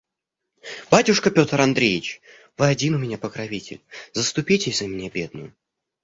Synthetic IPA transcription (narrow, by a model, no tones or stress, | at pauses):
b̥atʲʊʂkəpʲo̞t̪ɾɐnd̪ɾʲejɪt͡ɕ | vɨɐdʲinʊmʲɪnʲapəkɾɐvʲitʲɪ̰lʲzəst̪ʊpʲitʲɪzəmʲɪnʲabʲe̞d̪̚nʊ̰jʊ